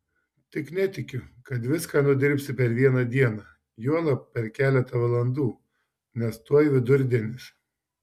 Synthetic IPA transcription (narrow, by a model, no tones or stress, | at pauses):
t̪ʲɪknʲɛt̪ʲɪkʲʊkɐt̪ʋʲɪskɑːnʊd̪ʲɪɾʲpʲsʲɪpʲɛɾʋʲiɛnɐd̪ʲiɛnɐː | juɔlˠɐpʲɛɾkʲæːlʲɛt̪ɐʋɐlˠɐnd̪uː | nʲɛst̪uɔjʋʲɪd̪ʊɾʲd̪ʲɛnʲɪs